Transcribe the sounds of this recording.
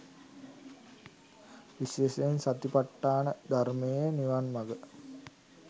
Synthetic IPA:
ʋisesensat̪ipaʈːaːnəd̪ʱaɾmejəniʋanmaɡə

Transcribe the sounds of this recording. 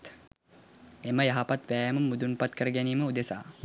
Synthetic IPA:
t̪ | eməjaɦapat̪ʋæːjmumːud̪unpat̪kəɾəɡæniːməud̪esa̰ː

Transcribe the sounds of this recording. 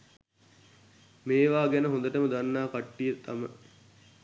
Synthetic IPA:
meːʋaːɡænəɦõnd̪əʈəməd̪anːaːkaʈːijət̪amə

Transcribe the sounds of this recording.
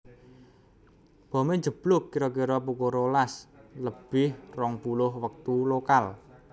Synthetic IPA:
b̥ɔ̤meɲd͡ʒə̤b̥lʊkːiɾɔk̬iɾɔpukoɾolasləb̥ɪhrɔŋpulʊhwək̚t̪ulokal

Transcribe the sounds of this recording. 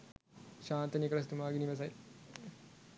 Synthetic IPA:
ɕaːnt̪ɐnikɐɾɐst̪umaːɡiniʋɐs̬ɐj

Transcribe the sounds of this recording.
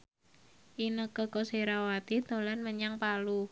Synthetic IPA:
ʔinəkəkoseɾawat̪id̪o̤lanməɲaŋpalu

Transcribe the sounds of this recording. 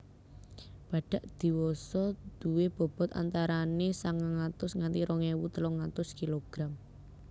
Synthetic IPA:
b̥ä̤ɖ̥a̤ʔd̪̥i̤wɔsɔd̪̥ṳweb̥ɔ̤b̥ɔ̤t̪a̰nt̪aɾanesaŋaŋat̪ʊsŋant̪iɾʔɔŋewut̪əlɔŋat̪ʊskiloɡ̥ɾam

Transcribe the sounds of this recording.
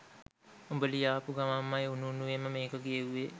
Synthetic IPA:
umbəlijaːpuɡaʋamːajununuʋemːəmeːkəɡijeʋuʋe

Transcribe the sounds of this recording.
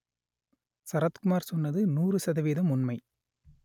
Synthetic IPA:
sɐɾɐt̪kʊmaːɾsɔnːɐðɯnuːrɯsɐðɐʋiːðɐmʊnmɐɪ

